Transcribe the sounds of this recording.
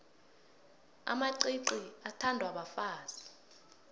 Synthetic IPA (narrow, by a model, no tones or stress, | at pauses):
a̰maǀiǀiatʰandʱwaɓafaːz̥i̥